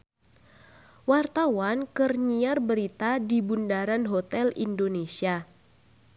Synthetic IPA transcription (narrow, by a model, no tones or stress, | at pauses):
wart̪awankərɲiarbəɾit̪adibundaɾanɦot̪ɛlḭndonesia